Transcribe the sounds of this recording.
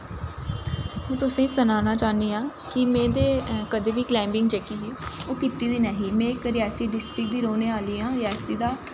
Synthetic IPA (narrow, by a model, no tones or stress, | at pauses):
mɛ̃ːt̪ʊsẽːiːsənaːnaːt͡ʃaːniːãː | kɪmɛ̃ːd̪eːkəd̪eːbiːklɛ̃ːmbɪŋɡd͡ʒeːkiːɦeːoːkɪt̪iːd̪iːnɛːɦiːmɛ̃ːɪkɾɪɛːsiːɖɪsʈɾɪk̚d̪iːɾoːneːaːliːãːɾɪɛːsiːd̪aː